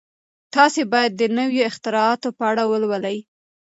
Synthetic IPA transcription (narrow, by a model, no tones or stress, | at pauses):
t̪ɑsebɑjad̪ːənəwjoɪxt̪ɪɾɑɑt̪opəaɽawəlwəlaj